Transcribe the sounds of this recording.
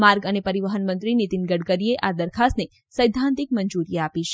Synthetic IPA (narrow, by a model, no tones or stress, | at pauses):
maɾɡənepəɾiʋəɦənmə̃nt̪ɾinit̪inɡəɽkəɾieʔad̪əɾkʰasne | səjd̪ʱãnt̪ik̚məɲd͡ʒuɾijapiʃe̥